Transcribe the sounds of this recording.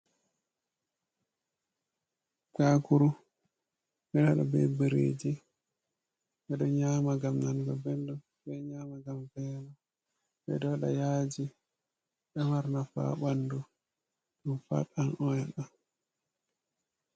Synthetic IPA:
kakuɾu | ɓɛɗaɗɔbɛbɛɾḛd͡ʒi | ɓɛɗɔɲaːmaɡamnanɡɔbɛndɔ | bɛɲaːmaɡambɛna | bɛ̰dɔɗa̰jaːd͡ʒi | ɓɛmaɾnafa̰ːɓandu | ɗumfa̰ɗanɔjɛɗan

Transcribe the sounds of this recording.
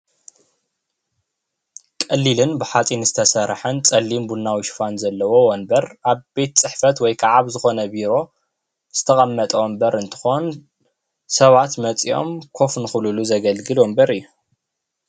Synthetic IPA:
kʼɐlːilɨnbɨħat͡sʼinɨzɨt̪ʰɐsɐɾħɐnt͡sʼɐlːimbunːawiʃfanzɐlːɐwo̞wɔnbɐɾʔaβbe̞t̪̚t͡sʼɨħfɐt̪wɔjkʰaʕaβzɨxo̞nɐbiɾo̞ | z̥ɨ̥t̪ʰɐχʼɐmːɐt̪ʼɐwɔmbɐɾɨnt̪ʰɨ̥xo̞n | sɐβat̪mɐt͡sʼio̞̰mkʰo̞fnɨxululuzɐɡɐlɡɨlombɐɾɨjːu

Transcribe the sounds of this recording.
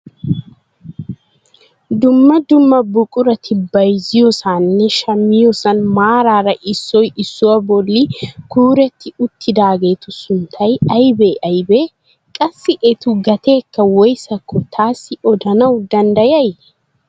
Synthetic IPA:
d̪ʊmːɐd̪ʊmːɐbʊkʼʊɾɐt̪ʰɪbɐjzɪjɔsaːnːɛʃɐmːɪjɔsɐnmaːɾaːɾɐʔɪsːɔjɪsːʊwɐbɔlːɪkuːɾɛt̪ːɪʊt̪ʰːɪd̪aːɡe̞ːt̪ʊsʊnt̪ʰːɐjɐjbeːʔɐjbe̞ː | kʼɐsːɪʔɛt̪ʊɡɐt̪e̞ːkːɐwɔjsɐkːɔt̪ʰaːsːɪɔd̪ɐnɐwd̪ɐnd̪ɐjɐj

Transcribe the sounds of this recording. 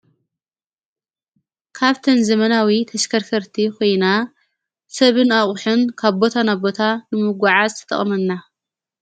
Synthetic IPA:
kʰaβt̪ʰɐnzɐmɐnawit̪ʰɐʃkʰɐɾkʰɐɾt̪ʰikʰo̞jna | sɐβɨnaχʼʊħɨnkʰaβbo̞t̪ʰanabo̞t̪ʰanɨmɨɡʷaʕazɨt̪ʰɐ̥t̪ʼɐ̰χʼmɐnːa

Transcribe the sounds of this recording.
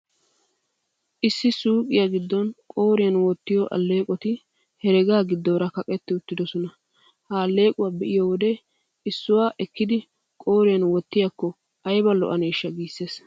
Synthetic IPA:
ʔɪsːɪsuːkʼɪjaɡɪd̪ːɔnkʼo̞ːɾɪjɐnwɔt̪ːɪjɔʔɐ̰lːe̞ːkʼɔt̪ɪ | hɛɾɛɡaːɡɪd̪ːoːɾɐkɐkʼɛt̪ːɪʊt̪ːɪd̪ɔsɔnɐ | haːlːe̞ːkʼʊwaːbɛʔɪjɔwɔd̪ɛ | ɪsːʊwaːʔɛkːɪd̪ɪ | kʼo̞ːɾɪjɐnwɔt̪ːɪjɐkːɔ | ɐjbɐlːɔ̰ʔɐneːʃːɐɡiːsːeːs

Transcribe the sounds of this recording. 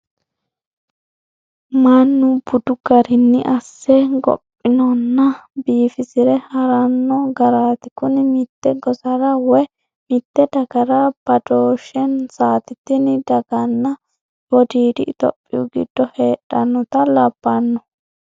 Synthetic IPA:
mɐnːʊbʊd̪ʊɡɐɾɪnːɪʔɐsːɛɡɔ̰pʼːɪnɔnːɐbiːfɪsɪɾɛhɐɾɐnːɔɡɐɾaːt̪ɪkʊnɪmɪt̪ːɛɡɔzɐɾɐwɔj | mɪt̪ːɛd̪ɐɡɐɾɐb̥ɐd̪oːʃɛnsaːt̪ɪt̪ːɪnɪd̪ɐɡɐnːɐ | wɔd̪iːd̪ɪt̪ɔ̰pʼːɪjuɡɪ̰d̪̥ːɔheːᶑɐnːɔt̪ɐlɐbːɐnːɔ

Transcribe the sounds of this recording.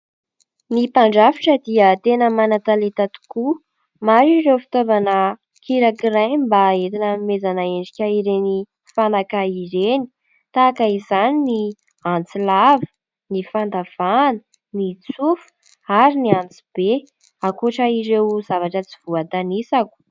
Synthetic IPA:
nipaɳɖ͡ʐafiʈ͡ʂəd̪iət̪enəmanat̪alet̪at̪u̥ku | maɾirewfi̥t̪ovanə | kʰiɾakirajmbaet̪inəmezanaeɳɖ͡ʐikʲaiɾeni | fanakaiɾeni̥ | t̪akaizanini | ant͡silavə̥ | nifand̪av̥anə̥ | nit͡sufu̥ | aɾiniant͡si̥b̥e | akoʈ͡ʂəiɾewzavaʈ͡ʂət͡siv̥uat̪anisaku̥

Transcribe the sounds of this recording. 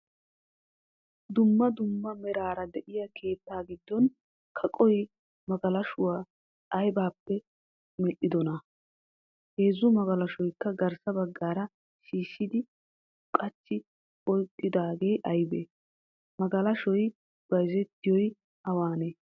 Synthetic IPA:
d̪ʊmːɐd̪ʊmːɐmɛɾaːɾɐd̪ɛʔɪjɐkʰe̞ːt̪ːaːɡɪd̪ːɔn | kʰɐkʼɔj | mɐɡɐlɐʃʊwaː | jbaːpːɛ | mɛʔɪd̪ɔnɐ | heːzːʊmɐɡɐlɐʃɔjkːɐɡɐɾsɐbɐɡːaːɾɐ | ʃiːʃːɪd̪ɪ | kʼɐt͡ʃːɪ | ɔjkʼːɪd̪aːɡe̞jʔɐjbḛː | mɐɡɐlɐʃɔj | b̥ɐjzɛt̪ːɪjɔj | ɐwaːneː

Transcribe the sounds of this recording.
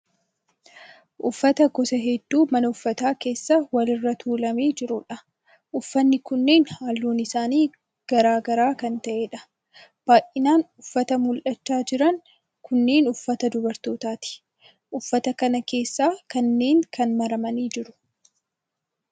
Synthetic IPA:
ʔʊfːɐt̪ɐɡɔsɐɦɛd̪ːuːmɐnɐʊfːɐt̪aːke̞ːsːawɐlɪrːɐt̪ʰuːlɐmeːd͡ʒɪɾʊᶑɐ | ʔʊfːɐnːɪkʊnːe̞ːnhaːlːuːnɪsaːniː | ɡ̥ɐɾaːɡɐɾaːkɐnt̪ɐʔeːᶑɐ̥ | b̥aːjʔɪnaːnʊfːɐt̪ɐmʊlʔɐt͡ʃːaːd͡ʒɪɾɐŋ | kʊnːe̞ːnʊfːɐt̪ɐd̪ʊbɐɾt̪oːt̪aːt̪ɪ̥ | ʔʊfːɐt̪ɐkɐnɐke̞ːsːaːkɐnːe̞ːŋkɐnmɐɾɐmɐniːd͡ʒɪɾʊ̥

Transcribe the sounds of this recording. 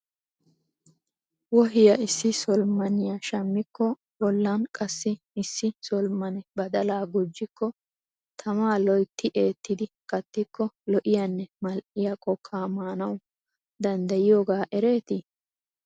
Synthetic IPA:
wɔɦɪjɐʔɪsːɪsɔlmɐnɪjɐʃɐmːɪkːɔ | bɔlːɐnkʼɐsːɪː | sːɪsɔlmɐnɛbɐd̪ɐlaːɡʊd͡ʒːɪkʰːɔ | t̪ʰɐmaːlɔjt̪ːɪʔe̞ːt̪ːɪd̪ɪkʼɐt̪ːɪkːɔlɔʔɪjɐnːɛmɐlʔɪjɐkʼɔkʰːaːmaːnɐw | d̪ɐnd̪ɐjɪjoːɡaːʔɛɾe̞ːt̪ɪ

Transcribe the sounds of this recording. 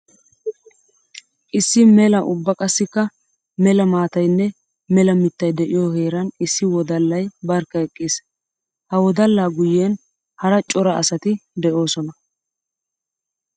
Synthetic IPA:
ʔɪsːɪmɛlɐʔʊbːɐkʼɐsːɪkːɐ | mɛlɐmaːt̪ɐjnːɛ | mɛlɐmɪt̪ːɐjd̪ɛʔɪjoːhe̞ːɾɐnɪsːɪwɔd̪ɐlːɐjbɐɾkːɐɛkʼːiːs | hɐwɔd̪ɐlːaːɡʊjːeːn | hɐɾɐt͡ʃʼɔɾɐɐ̰sɐt̪ɪd̪ɛʔo̞ːsɔnɐ

